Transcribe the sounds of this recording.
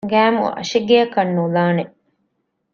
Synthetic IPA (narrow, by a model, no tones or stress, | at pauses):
ɡæːmṵɐ̰ʃiɡeɐkɐnːulaːne